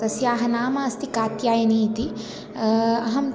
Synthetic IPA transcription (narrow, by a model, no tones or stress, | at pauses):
t̪ɐsjaːɦɐnaːmɐɐst̪ʰikaːt̪jaːjɐniːt̪i | ɐɦɐm